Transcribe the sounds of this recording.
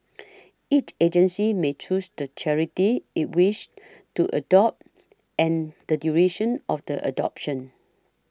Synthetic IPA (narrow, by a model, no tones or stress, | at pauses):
it͡ʃed͡ʒə̃nsimet͡ʃusdət͡ʃʰɛɹitiit̚wiʃ | tuʔə̰dɔp̚t | ɛ̃nd̥ədjuɹeʃə̃nɔfdəʔə̰dɔ̰pʃə̃n